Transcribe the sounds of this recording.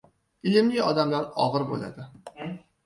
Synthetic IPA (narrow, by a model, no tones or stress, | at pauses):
ɪlɪmlɪɒd̪amlaɾɒʁɨɾbo̰la̰d̪ɪ